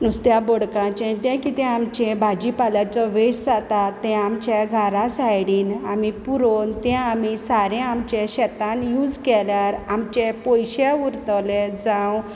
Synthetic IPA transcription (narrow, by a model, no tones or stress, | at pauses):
nust̪jabɔɽkãt͡ɕɛ̃t̪ɛ̃kit̪ɛ̃amt͡ɕɛ̃bʱad͡ʑipaljat͡sɔʋeɕd͡zat̪at̪ːɛ̃amt͡ɕɛɡʱaɾasajɽiːnamipuɾont̪ɛ̃amisaɾɛ̃amt͡ɕẽɕɛt̪ãnjuːd͡zkɛljaɾamt͡ɕɛpɔjɕẽuɾt̪led͡zãw